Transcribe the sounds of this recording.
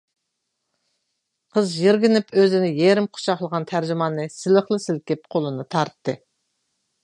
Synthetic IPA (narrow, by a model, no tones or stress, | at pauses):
qʰəzʒiɾɡʲɪnɪpʰøzɪnɪjeɾɪmqʰʊ̥ʃɑχlˠəʁɑnt̪ʰæɾd͡ʒɪmɑnːɨsɪlɪχlˠɨsɪlkʲɪp̚qʰolˠɨnɨt̪ʰɑɾt̪ːɨ